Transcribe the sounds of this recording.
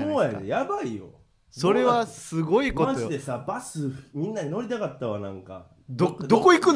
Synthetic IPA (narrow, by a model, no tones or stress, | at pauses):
oːjad̪ḛjabaijo̰ | so̞ɾe̞βasɨɡo̞ikkotmad͡ʑijd̪e̞sabasɨmʲĩnːaino̞ɾʲit̪akat̪ːaβanã̰ŋka̰ | d̪od̪okoikɯ̃